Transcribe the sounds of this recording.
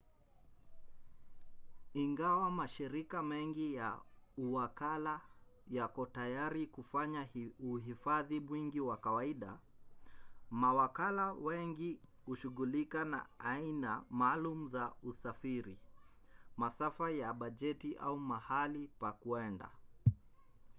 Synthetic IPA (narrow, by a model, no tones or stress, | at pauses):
iŋɡawamaʃiɾikamɛŋɡija̰uwakalajakɔtajaɾikufaɲauɦifaðimwiŋɡiwakawaiɗa | mawakalawɛŋɡihuʃuɣulikana̰ainamaːlumuzausafiɾi | masafajaɓaʄɛtiʔa̰umahalipakuɛnda̰